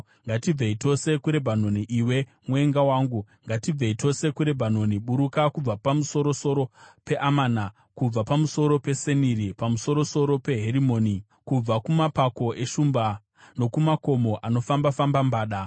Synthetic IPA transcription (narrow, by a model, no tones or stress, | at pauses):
ŋɡatib͡veito̞se̞kuɾe̞bʱano̞niʔiwe̞ | mwe̞ŋɡawaːŋɡu | ŋɡatib͡veitʰo̞se̞kuɾe̞bʱano̞niɓuɾukakub͡vapamuso̞ɾo̞so̞ɾo̞pe̞ʔamaːna | kub͡vapamuso̞ɾo̞pe̞seniɾipamuso̞ɾo̞so̞ɾo̞pe̞ɦeɾimo̞ːni | kub͡vakumapako̞ʔe̞ʃumba | no̞kumako̞mo̞ʔano̞fambafambambaːɗa